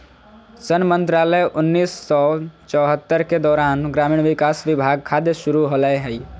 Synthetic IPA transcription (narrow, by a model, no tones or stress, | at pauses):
sənmənt̪ɾaːləjʔʊnːiːsːɔt͡ʃɔːɦət̪ːəɾked̪ɔːɾaːnɡɾaːmiːɽ̃ʋɪkaːsʋɪbʱaːɡ̚kʰad̪jəʃuɾuɦoləeɦɛi